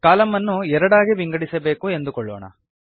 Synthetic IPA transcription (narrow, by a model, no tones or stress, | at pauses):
kaːlɐmːɐnːuɛɾɐɽaːɡibiŋɡɐɽisɐbe̞ːkue̞nd̪ukɔɭːo̰ːɳɐ̰